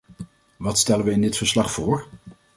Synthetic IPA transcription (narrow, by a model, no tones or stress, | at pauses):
ʋɑtstɛlənʋəɪndɪtfəɹslɑχfʊːɹ